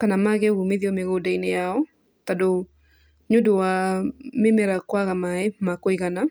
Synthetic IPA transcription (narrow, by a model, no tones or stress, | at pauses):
kanamaɣeɣomeðiɔmeɣodainejaɔ | tado | ɲodowamemɛɾakwaɣamaemakoiɣana